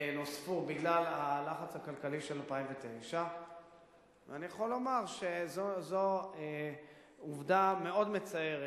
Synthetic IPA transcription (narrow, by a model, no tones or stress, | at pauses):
nosfubiɡlalalaχat͡shakalkaliʃelalpaimvetejʃa | veanijaχo̞lo̞maʁʃezozoe | uvdame̞o̞dme̞t͡saeʁe